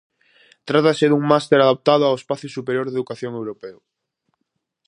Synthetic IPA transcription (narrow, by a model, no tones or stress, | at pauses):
t̪ɾat̪asɪðuŋmast̪eɾaðap̚t̪aðʊawespaθjʊsupeɾjoɾðeðukaθjoŋewɾopew